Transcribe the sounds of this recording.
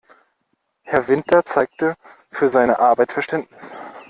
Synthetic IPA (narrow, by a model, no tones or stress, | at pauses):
hɛɐvɪntʰɐt͡saɪk̚tə | fyːɐzaɪnəʔaɐbaɪtfɛɐʃtɛntnɪs